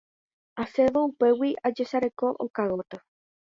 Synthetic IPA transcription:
aseðoupe̞wiʔad͡ʒesaɾekoʔo̰kaɣot̪ɨ

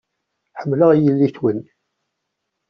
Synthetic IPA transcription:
ħəmːləʁjəlːiθwən

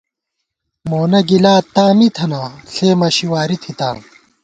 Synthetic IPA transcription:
moːnɐɡilaːt̪ãːmit̪ʰɐnaːɬeːmɐɕiwaːɾit̪ʰit̪ã̰ː

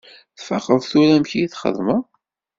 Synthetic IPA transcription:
θfɑχəðˤθuɾæmçijiθχə̰ðmə

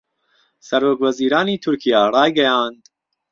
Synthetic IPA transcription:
sɐɾoːkvɐziːɾɑːniːt̪ʰuɾkʰijaːɾɑːjɡɛjaːnd̪̥

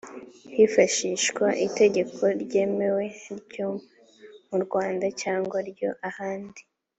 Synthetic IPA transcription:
hifaʃiʃkwaʔite̞ɟe̞kʰo̞ɾɟe̞ːme̞we̞ɾɟo | muɾɡwaːndacaːŋɡwaɾɟo̞ʔahaːndi

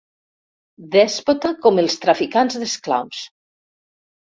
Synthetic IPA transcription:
d̪ɛspot̪akomelˠst̪ɾafikanzðeskla̰ws

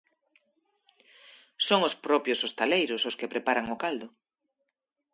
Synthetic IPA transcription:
soŋospɾɔpjosost̪alejɾʊsʊskepɾepaɾaŋʊkald̪ʊ

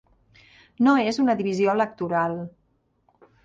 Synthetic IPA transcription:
noezunəðiβizioələk̚t̪uɾalˠ

